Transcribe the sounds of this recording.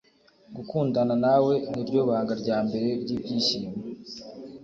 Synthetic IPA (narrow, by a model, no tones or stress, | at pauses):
ɡukuːndananawe̞niɾɟo̞ːβaːŋɡaɾɟaːmbe̞ɾe̞ɾɟiːbɟiːʃiːme